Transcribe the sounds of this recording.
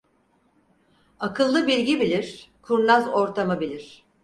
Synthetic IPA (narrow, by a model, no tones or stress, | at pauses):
akʰɯlˠːɯbiɾʲɟibilʲiɾ̥kʰuɾlˠazo̞ɾt̪ʰamɯbilʲiɾ̝̥